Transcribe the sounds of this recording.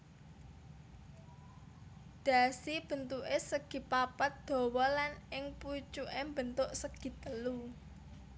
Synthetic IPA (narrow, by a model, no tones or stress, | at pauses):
d̪̥ä̤sib̥ə̤nt̪uʔesəɡ̥i̤papat̪̚d̪̥o̤wɔlanɪŋput͡ʃuʔembənt̪ʊʔsəɡ̥i̤t̪əlu